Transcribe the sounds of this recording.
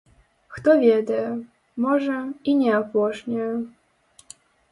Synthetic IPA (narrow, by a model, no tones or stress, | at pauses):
xt̪ɔvʲed̪ɐjɛ | mɔʐɛinʲɛapɔʂnʲɛjɛ